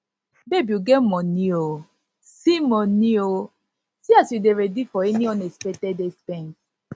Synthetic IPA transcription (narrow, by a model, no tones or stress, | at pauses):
bebuɡɛmɔ̃nio | simɔnio | siasjudeɹɛdifɔɛniɔ̃nɛspɛtɛdestɛ̃ŋs